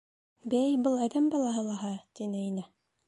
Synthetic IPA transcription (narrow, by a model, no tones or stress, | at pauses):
bæjbɤlˠæðæmbɑlˠɑɦɤlˠɑɦɑt̪inɘinæ